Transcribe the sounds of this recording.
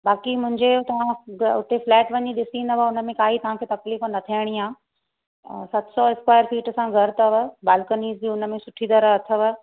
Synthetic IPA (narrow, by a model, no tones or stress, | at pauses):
baːkimʊ̃ɦɪ̃ɲd͡ʑet̪ɐʋ̤ãʊt̪ʰeflɛːʈʋɐɲiɗɪsĩnd̪ɐʋəʊnə̆mẽkaːɦit̪ɐʋ̤ãkʰeːt̪ɐkliːfnɐt̪ʰiəɽ̃iaː | sɐt̪ʰsɔɪskwaːjəɾfiːʈsãɡʱɐɾt̪ɐʋəbaːlkəniːzd͡ʑiʊnə̆mẽsʊʈʰid̪ɐɾəɐt̪ʰəʋə